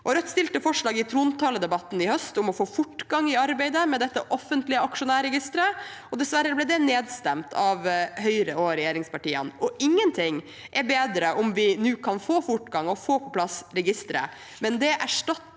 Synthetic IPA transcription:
ʔɔɾœt̪ːst̪ɪlt̪əfɔʂɭɑːɡɪt̪ʰɾuːnt̪ʰɑːləd̪ɛbɑt̪ːn̩ɪhœst̪ʊmɔfoːfʊʈːɡɑŋːɪɑɾbæɪd̪əmɛd̪ɛt̪ːəʔɔfːənt̪lɪəɑkʂʊnæːɾɛɡɪst̪ɾəɔd̪ɛsʋæɾːəblɛd̪ɛneːd̪st̪ɛmt̪ʰɑʋɦœʏɾəɔɾɛjeːɾɪŋspɑʈiːə̰nɔʔɪŋːənt̪ʰɪŋː | ʔɛɾbeːd̪ɾəʔʊmʋɪnʉːkʰɑnfoːfʊʈɡɑŋɔfoːpʰɔpʰlɑsɾɛɡɪst̪ɾə̰ | mɛnd̪ɛʔæʂʈɑt̪ː

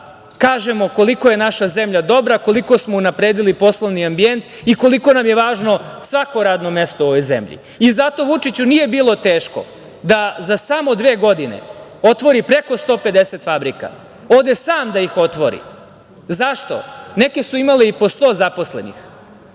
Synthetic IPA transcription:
kaːʒemo̞koliko̞je̞naʃaze̞mʎad̪o̞bɾako̞liko̞smo̞unapɾeːd̪ilipo̞slˠoʋniambie̞nt̪ | iko̞liko̞namjeʋaːʒno̞sʋako̞ɾaːd̪no̞me̞st̪oo̞ʋo̞jzḛmʎḭ | izat̪o̞ʋut͡ʂit͡ɕunije̞biːlˠo̞t̪e̞ːʃko̞̰ | d̪azasamo̞d̪ʋe̞ːɡo̞d̪ine̞̰o̞t̪ʋo̞ɾipɾe̞ko̞st̪o̞ːpe̞d̪eset̪fabɾika̰ | o̞ːd̪e̞saːmd̪aixo̞t̪ʋo̞ɾḭ | zaʃt̪o̞̰ne̞ke̞suimaleipost̪o̞ːzapo̞sle̞nḭx

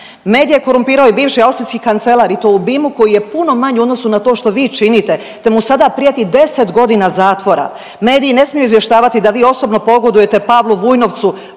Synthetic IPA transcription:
me̞ːd̪ije̞ko̞ɾumpiːɾaoibiːʋʃiawst̪ɾijskikant̪se̞lˠaːɾit̪oubimuko̞jije̞puno̞maɲuod̪nosunat̪o̞ːʃt̪o̞ʋiːt͡ʃinit̪e̞ | t̪e̞musad̪apɾijat̪id̪e̞se̞t̪ɡo̞d̪inazaːt̪ʋo̞ɾa̰ | me̞ːd̪iːine̞smijoizʋje̞ʃt̪aːʋat̪id̪aʋiːo̞so̞bno̞po̞ɡo̞d̪uje̞t̪e̞paʋlˠuʋujno̞ʋt̪su

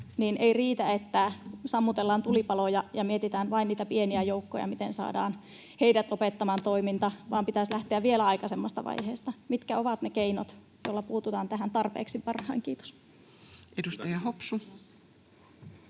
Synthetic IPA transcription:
niːneiriːt̪æet̪ːæsɑmːut̪elːɑːnt̪ulipɑlojɑjɑmiet̪it̪æːnʋɑinniːt̪æpieniæjoukːo̰jɑ̰mit̪ensɑ̰ːdɑ̰ːn | heidæt̪opet̪ːɑmɑːnt̪oimint̪ɑʋɑːmpit̪æslæht̪eæʋʋielæɑikɑsemːost̪ɑ̰ʋɑ̰iheːst̪ɑmit̪kæoʋɑt̪nekeino̰t̪ | jolːɑpuːt̪ut̪ɑːnt̪æɦænt̪ɑrpḛːksipɑrhɑ̰iŋkiːt̪o̥s | edust̪æjɑhopsu

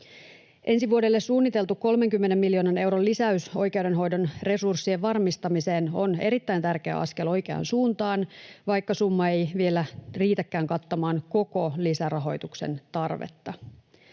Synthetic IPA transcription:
ʔe̞nsiʋuodelːessuːnːit̪e̞lt̪ukkːo̞lme̞ŋkymːene̞mːiljo̞ːnɑne̞wɾolisæyso̞jke̞wde̞nɦo̞jdo̞nre̞sursːieʋʋɑrmist̪ɑmiseːno̞̰ne̞̰ɾit̪ːæjnt̪ærke̞æ̰ɑ̰ske̞lo̞jk̟e̞ɑ̰nsuːnt̪ɑːnʋɑjkːɑsumːɑe̞jʋie̞læriːt̪ækːæːŋkɑt̪ːɑmɑːnko̞kolisærɑɦo̞jt̪ukse̞̰nt̪ɑrʋḛt̪ːɑ

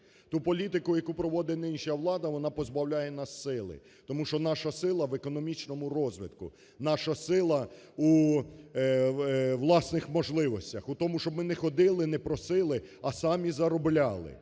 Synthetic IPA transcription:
t̪upɔlʲit̪ɪkʊjɐkupɾɔʋɔd̪ɪnɪnʃjɐʋlˠɑd̪ɐʋɔnɑpɔzbɐwlʲajɛnɑsːɪlˠɪ̰ | t̪ɔmuʃt͡ʃɔnɑʃɐsɪlˠɐʋekɔnɔmʲit͡ʃnɔmʊɾɔzʋɪt̪kʊ̰ | nɑʃɐsɪlˠɐ | u | ʋlˠɑsnɪxmɔʒlˠɪʋɔsʲtʲɐxut̪ɔmʊʃt͡ʃɔbmɪnɛxɔd̪ɪlˠɪnɛpɾɔsɪlˠɪɐsɑmʲizɐɾɔblʲɑlˠɪ̰

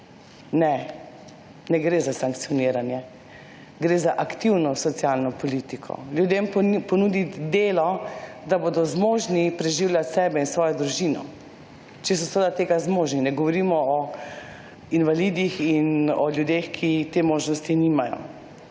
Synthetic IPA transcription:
nɛ | nɛɡɾeːzasaŋk̚t̪sijɔniːɾanjɛ | ɡɾeːzaʔakt̪iwnɔsɔt̪sjalnɔpɔlit̪ikʰɔ̰ljud̪empɔnud̪id̪eːlɔd̪aboːd̪ɔzmoːʒnipɾɛʒiːwljat̪sɛːbɛinsʋɔːjɔd̪ɾuʒiːnɔ̰ | t͡ʃɛsɔsʋed̪at̪eːɡazmoːʒninɛɡɔʋɔɾimɔɔ | inʋalid̪ixinɔlʲjud̪exkʰit̪eːmoːʒnɔst̪inimajɔ̰

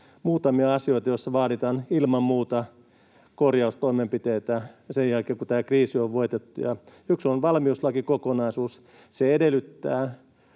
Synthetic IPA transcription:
muːt̪ɑmiɑɑsioit̪ɑjoisːɑʋɑːdit̪ɑːnilmɑmmuːt̪ɑ | korjɑust̪oimempit̪eːt̪æsejjælkeːkut̪æːkriːsioʋʋoit̪et̪ːujɑyksonʋɑlmiuslɑkikokonɑisuːs | seedelˑyt̪ːæ̰ː

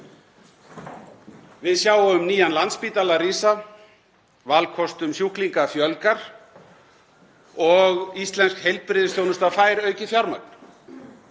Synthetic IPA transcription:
vɪðsjaːwaʏmniːjanlant̪spiːt̪alaɾiːsa | valkʰɔst̪ʏmsjuhkliŋkafjœlkaɾ̥ | ɔɣist̪lɛnskhejl̚pɾɪðʏst̪jownʏst̪afaːjɾœːɥcɪfjawɾmak̚n̥

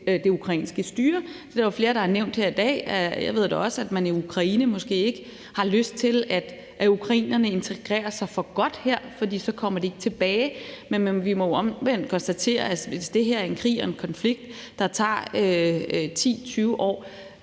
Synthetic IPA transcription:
d̥e̝ukʰʁɑ̈ḭːnsɡ̥əsd̥yːɐd̥e̝ɐjofle̝ːɐɾ̥ɑ̈æɐneʊ̰nd̥heɐ̰id̥ɛ̰ːja̰ʋe̝ð̞ˠd̥eɒ̽səæd̥mæniukʰʁɑ̈iːnəmɒ̽sɡ̥e̝̰ːe̝ɡ̥ə | hɑ̈løsd̥̚t͡sʰe̝læd̥ | ʔukʰʁɑ̈ḭːnɐnəe̝nt͡sʰeɡ̥ʁɛ̰ːɐsɑ̈ɪfɒ̽ɡ̥ɒ̽d̥heɐ̰fɒd̥ḭːsɒ̽kʰɒ̽m̰ɐd̥ee̝ɡ̥t͡sʰe̝b̥ɛːɪmeneʋimɒ̽jɒ̽mʋen̰d̥kʰɒ̽nsd̥æt͡sʰe̝̰ːɐæʋe̝sd̥e̝ɦeɐæɐe̝nkʰʁḭːɒ̽e̝nkʰɒ̽nfliɡ̥̚d̥ː | ɑ̈t͡sʰɑ̰̈ːøt͡sʰḭːt͡sʰyːʊʔɒ̰ː

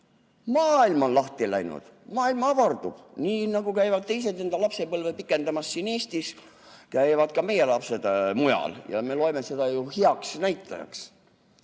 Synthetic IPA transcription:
mɑːilmonlɑht̪ilæ̰jnṵd̪̥ | mɑːilmɑɑvɑrd̪̥ub̥niːnɑɡ̥ukæjvɑd̪̥̚t̪e̞js̬e̞d̪e̞nd̪ɑlɑpse̞pɤlvepikːˑe̞nd̪ɑmɑsːiːne̞ːst̪is | kæjvɑd̪̥̚kɑme̞je̞lɑpse̞d̪̥mujɑ̰ljɑ̰me̞lo̞eme̞se̞d̪̥ɑjuhiɑksnæjt̪ːˑɑ̰jɑ̰ks

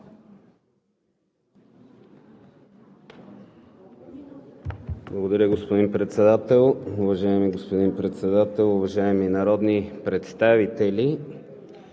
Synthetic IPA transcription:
blˠɐɡod̪ɐɾʲəɡospod̪inpɾɛt̪sɛd̪at̪ɛlˠʊvɐʒaɛmiɡospod̪inpɾɛt̪sɛd̪at̪ɛlˠʊvɐʒaɛminɐɾɔd̪nipɾɛt̪st̪avit̪ɛlʲi

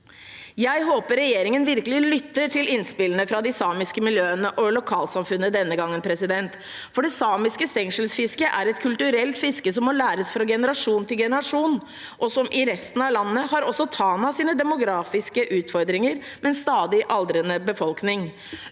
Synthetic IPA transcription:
jæɪɦoːpəɾːɛjeːɾɪŋənʋɪɾkəlɪlʏt̪ːəʈʰɪlɪnspɪlənəfɾɑd̪ɪsɑːmɪskəmɪljøːənəʔɔlʊkʰɑːlsɑmfʉnːəd̪ɛnːəɡɑŋːənpʰɾɛsɪd̪ɛnt̪ | fɔɖɛsɑːmɪskəst̪ɛŋʂəlsfɪskəʔæɾɛt̪kʰʉlt̪ʉɾɛlt̪fɪskəsɔmːɔlæːɾəsfɾɑɡɛnəɾɑʂuːnt̪ʰɪlɡɛnəɾɑʂuːn | ʔɔsɔmʔɪɾɛst̪n̩ɑʋlɑnːəhɑɾɔsːɔt̪ʰɑːnɑsiːnəd̪ɛmʊɡɾɑːfɪskəʔʉːt̪fɔɾd̪ɾɪŋəɾ | mɛnst̪ɑːd̪ɪʔɑld̪ɾənəbəfɔlknɪŋ

